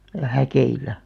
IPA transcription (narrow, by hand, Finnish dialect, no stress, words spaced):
jɑ hækeilæ